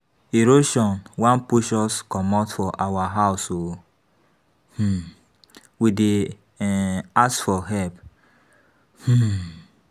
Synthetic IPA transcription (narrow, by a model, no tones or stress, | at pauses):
eɾoʃɔ̃nwãnpuʃɔskɔmatfɔʔawaɦaʊso | h̩ | wide | asfɔɦɛp | h̩